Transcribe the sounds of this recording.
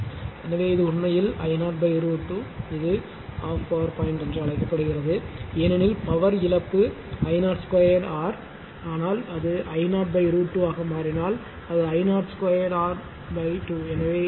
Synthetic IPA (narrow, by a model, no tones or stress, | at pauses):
ɛnɐʋeːɪðɯʊɳmɐjɪlɐ̰ɪnaːɾbɐɪɪɾuʈːuɪðɯ | aːfpɐʋɐɾpaːɪɳɖɛndrɯɐɭɐɪkːɐpːɐɽɯɣɪrɐðɯɛnɐnipɐʋɐɾɪlɐpːɯ | ɐɪnaːɾskwaːjɐɽaːɾ | aːnaːlɐðɯʔɐɪnaːʈbɐɪɾuːʈːuaːɣɐmaːɾɪnaːl | ɐðɯɐɪnaːʈskwaːjɐɽaːɾ | bɐɪʈuːɛnɐʋeː